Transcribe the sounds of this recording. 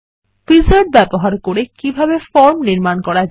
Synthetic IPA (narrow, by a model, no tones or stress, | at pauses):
pizaɾɖ̚bɛboɦaɾkoɾekibʱabefɔɾmniɾmankɔɾad͡ʑ